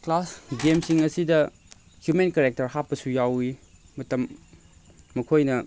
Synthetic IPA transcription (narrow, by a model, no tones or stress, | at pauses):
klasɡemsiŋɐsidɐ | hjumenkeɾek̚tɐɾhapːɐsujawi | mɐtɐmː | ɐkʰojnɐ